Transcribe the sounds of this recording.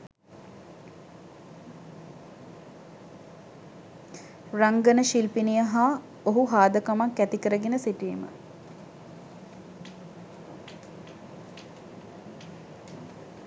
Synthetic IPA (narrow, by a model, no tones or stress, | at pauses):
raŋɡənəʃilpinijəɦa | oɦuɦaːd̪əkamakːæt̪ikəɾəɡenəsiʈijːmə̰